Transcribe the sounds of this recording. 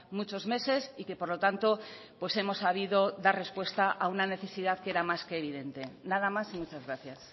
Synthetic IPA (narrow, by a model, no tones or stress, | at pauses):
mut͡ʃo̞zme̞se̞sike̞po̞ɾlo̞t̪ant̪o̞ | pwe̞se̞mo̞sːaβ̞iðo̞ðare̞spwe̞st̪aʔaunane̞θe̞siðaðke̞ɾamaske̞ːβ̞iðe̞nt̪e̞naðamasimut͡ʃazɣɾaθjas